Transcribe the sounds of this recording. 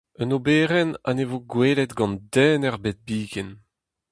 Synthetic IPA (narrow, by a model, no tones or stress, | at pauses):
œnobeːʁɛna̰nevoɡweːlɛt̪ɡɑ̃nd̪ɛːnɛʁbet̪̚biːɡɛn